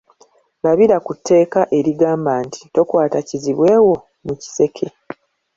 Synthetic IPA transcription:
laβiɾakutːe̞ːkaʔe̞ɾiɡaːmbaːnti̥to̞kwaːtaciziβwe̞ːwo̞ | muci̥se̞kʰe̞

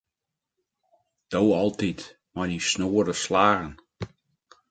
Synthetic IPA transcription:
d̥owɔlˠtit | majnisnoːəɾəslaːɣən

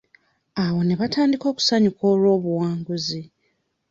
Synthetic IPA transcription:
awo̞ne̞βataːndiko̞ːku̥saɲukʰo̞ːlwo̞ːβuwaːŋɡuzi

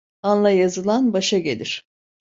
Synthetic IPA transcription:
anlˠajazɯlˠanbaʃaɟe̞̰lʲiɾ̥

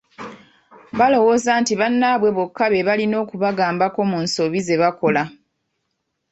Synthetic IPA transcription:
βalo̞wo̞zantiβanːaβwe̞βokːaβe̞βalino̞ːkuβaɡaːmbako̞munso̞βize̞βako̞la

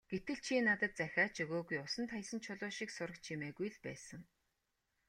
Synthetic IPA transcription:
ɡ̥et̪ɘ̆ɮt͡ɕʰiːnat̪ə̆t̪̚t͡sæxʲaːt͡ɕʰɵɣoːɣujʊsə̆nt̪χajsə̆nt͡ɕʰʊɮʊːʃiːksʊɾə̆kt͡ɕʰimeːɣujɮpæ̰ːsə̆ŋ

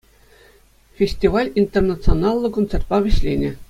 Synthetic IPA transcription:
fʲesʲtʲiʋɑlʲint̪ʲernat̪sɨonɑlˠːɤ̆kont̪sĕrt̪̚pɑʋʲɘ̆ɕlʲenʲɘ̆

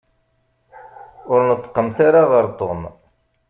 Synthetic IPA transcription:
ʊɾnət̪ˤːə̥qːəmθaɾaʁəɾt̪ˤon

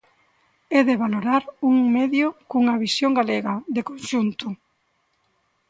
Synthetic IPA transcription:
ɛðeβaloɾaɾuŋmeðjʊkuŋɐβisjoŋɡaleɣɐðekonʃunt̪ʊ

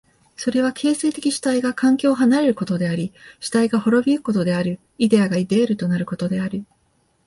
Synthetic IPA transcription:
so̞ɾe̞β̞akʰe̞ːse̞ːt̪e̞kʲiɕi̥t̪aiɡakãŋkʲo̞ːɦanaɾe̞ɾɯ̟ko̞t̪o̞d̪e̞aɾʲiɕi̥t̪aiɡaho̞ɾo̞bʲiɯko̞t̪o̞d̪e̞aɾɯ̟ | id̪e̞aɡaid̪e̞ːɾɯ̟t̪o̞naɾɯ̟ko̞t̪o̞d̪e̞aɾɯ̟

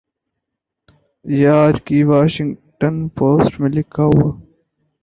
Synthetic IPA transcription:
jeaːd͡ʒkiʋaːʃɪ̃ŋɡʈənpʰoːsʈmẽlɪkʰaːɦuaː

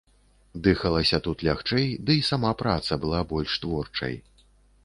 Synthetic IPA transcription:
d̪ɨxɐlˠɐsʲɐt̪ut̪lʲaxt͡ʂɛjd̪ɨisamapɾat̪sɐbɨlˠabɔlʲʂt̪vɔrt͡ʂɐ̰j

